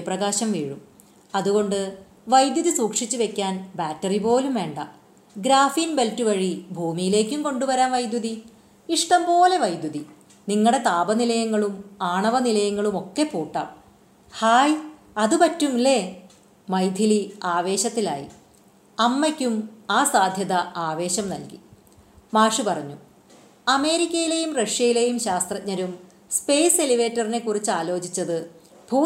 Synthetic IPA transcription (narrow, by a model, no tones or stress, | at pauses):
ɐprɐɣaːɕɐmʋiːɻum | ɐðuɣo̞ɳɖɨ | ʋɐjd̪juðisuːkʂit͡ɕːɨʋe̞kʲːaːnbaːtːɐripo̞ːlumʋe̞ːɳɖɐ | ɡɾaːfinbe̞ltːuʋɐɻibʱuːmijile̞ːkʲːumko̞ɳɖuʋɐɾaːnʋɐjd̪juði | iʂʈɐmpo̞ːle̞ʋɐjd̪juði | niŋːɐɽe̞t̪aːbɐnilɐjɐŋːɐɭumaːɳɐʋɐnilɐjɐŋːɐɭumo̞kːe̞pːuːʈːa̰ːm | haːj | ɐðupɐtːumle̞ | mɐjd̪ʱiliaːʋe̞ːɕɐt̪ːila̰ːjḭ | ɐmːɐkʲːumaːsaːd̪ʱjɐðɐaːʋe̞ːɕɐmnɐlki | maːʂɨpɐrɐɲːu | ɐme̞ːɾikʲːɐjile̞jumrɐʂjɐjile̞jumɕaːst̪rɐt̚ɲɐɾum | spe̞jseliʋe̞ːtːɐrine̞kːurit͡ɕːɨaːlo̞ːd͡ʑit͡ɕːɐðɨ | bʱuː